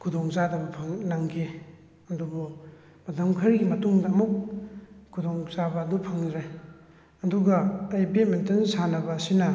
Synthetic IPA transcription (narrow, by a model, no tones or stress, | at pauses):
kʰudoŋzadɐbupʰɐŋlɐŋkʰe | ɐdubu | mɐtɐmkʰɐɾiɡimɐtuŋdɐːmuk̚kʰːudoŋzabɐːdupʰɐŋɾe | ɐduɡɐːjbet̚mentɐnsanɐbɐsinɐ